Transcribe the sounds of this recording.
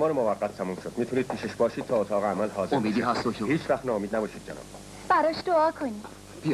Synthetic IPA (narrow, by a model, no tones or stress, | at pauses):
mɒːɾemovæʁːæt̪ʰːæmuːmʃod̪̚miːt̪ʰuniːd̪̚pʰiːʃeʃbɒːʃiːd̪̥̚t̪ʰɒːot̪ʰɒːɣeæmælhɒːzeomiʃd̪iæst̪ohiːt͡ʃʰvæχt̪nɒːomiːd̪næbɒːʃiːd̪d͡ʒḛnɒ̰ːb̥ | b̥æɾɒːʃd̪oɒːkʰoni | b̥i